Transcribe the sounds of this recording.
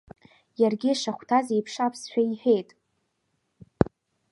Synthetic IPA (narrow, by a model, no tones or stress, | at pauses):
jarɡʲiʂaχʷtʰazejpʰʂapʰsħᶣaiħᶣejtʼ